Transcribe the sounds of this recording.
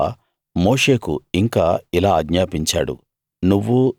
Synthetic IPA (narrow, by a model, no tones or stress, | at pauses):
moːʂe̞ːkṵiŋkaːilaːɐɡɲaːpiɲt͡ʃa̰ːɽṵ | nuʋːu